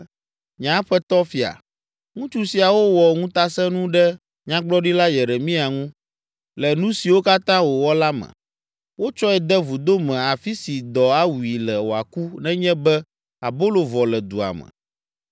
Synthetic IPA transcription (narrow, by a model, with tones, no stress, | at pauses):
ɲã˦ɸɛ˦t̪ɔ˦fi˦a̰˨ | ŋũ˦t͡ʃu˦si˨a˨wo˦wɔ˨ŋũ˦t̪a˦sɛ̃˦nũ˦ɖɛ˦ | ɲã˦ɡ͡blɔ˦ɖi˦la˦jɛ˨ɾe˨mĩ˦a˨ŋũ˦ | lɛ˨nũ˦si˨wo˦ka˦t̪ã˦wo˨wɔ˦la˦mɛ̰̃˨ | wo˦t͡ʃɔ˦ɛ˨d̪ɛ˦vu˨d̪o˦mɛ̃˨a˨fi˦si˨d̪ɔ˨a˦wu˨i˨lɛ˨wo˨a̰˨ku˦nɛ̃˦ɲɛ̃˦bɛ˦ | a˨bo˦lo˨vɔ˨lɛ˨d̪ṵ˨a̰˨mɛ̰̃˨